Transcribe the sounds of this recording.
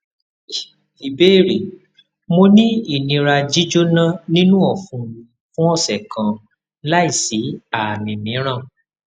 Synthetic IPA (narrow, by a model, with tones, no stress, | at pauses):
i˨be˦˨ɾi˨ | mo˧nĩ˦i˦˨nĩ˧ɾa˧d͡ʒi˦d͡ʒo˦nã˦nĩ˦nũ˦ɔ˦˨fũ˨ | fũ˦ɔ˦˨sɛ˨kʰã˨ | la˦i˦˨si˨˦a˦˨mĩ˨mĩ˨˦ɾ̃ã˦˨